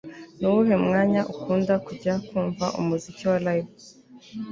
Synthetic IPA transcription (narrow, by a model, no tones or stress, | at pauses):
nuwuɦemŋaːɲaʔukuːndakuɟakuːɱvaʔṵmuziciwalajv